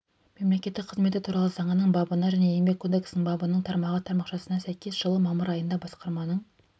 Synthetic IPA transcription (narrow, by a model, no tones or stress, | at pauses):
me̞mle̞kʲe̞t̪ːɪk̚qʰəzme̞t̪ɪt̪ʰuɾɑlˠəzɑɴənəɴbɑbənɑʒæne̞jeŋbe̞kʰo̞d̪e̞ksnɪɴbɑbənəɴt̪ʰɑɾmɑʁət̪ʰɑɾmɑqʃɑsənɑsæjkʲe̞zʒəlˠəmɑməɾɑjənd̪ɑbɑsqɑɾmɑnəɴ